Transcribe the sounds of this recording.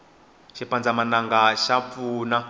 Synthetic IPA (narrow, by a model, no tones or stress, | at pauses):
ʃipand͡zamanaŋɡaʃap̪fuːna